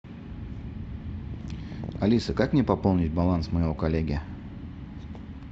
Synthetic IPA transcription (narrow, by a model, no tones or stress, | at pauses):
ɐlʲisəkakmnʲɪpɐpo̞lˠnʲɪt̚ʲbɐlˠansməjɪvo̞kɐlʲːeɡʲɪə